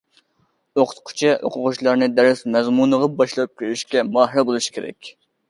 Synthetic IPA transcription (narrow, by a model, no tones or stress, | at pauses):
oqʰʊ̥t̪qʰʊ̥t͡ʃʰiʔo̰qʰʊʁʊʃlˠɑɾnɨd̪ɛɾɪsmɛzmunəʁɑbɑʃlˠɑp̚kʲʰeɾyʃkʲɛmɑːɦɾɛbolˠuʃkʰʲeɾɛ̰kʲ